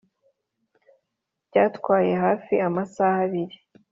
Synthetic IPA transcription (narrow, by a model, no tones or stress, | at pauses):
b̥ɟaːtkwaːje̞ɦaːfiamasahaβiɾi